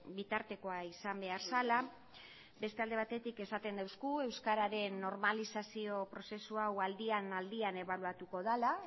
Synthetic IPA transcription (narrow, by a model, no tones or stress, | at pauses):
bit̪aɾt̪e̞ko̞aisambe̞aɾsala | be̞st̪e̞ald̪e̞β̞at̪e̞t̪ike̞sat̪e̞nd̪awskue̞wskaɾaɾe̞nːo̞ɾmalisasio̞pɾo̞se̞suawald̪ianald̪iane̞βaluat̪uko̞ðala